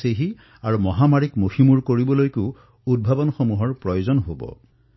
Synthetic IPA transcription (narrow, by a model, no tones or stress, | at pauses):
seɦi | aɹumɔɦamaɹikmoximuɹkoɹibɔlojkuʊ | ud̚bʱabɔnxomuɦɔɹpɹɔjozɔnɦobɔ̰